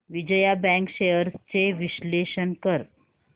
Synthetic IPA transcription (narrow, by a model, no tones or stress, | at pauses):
ʋid͡ʑəjabɛ̃ŋkɕejəɾst͡seʋiɕleɕənkəɾ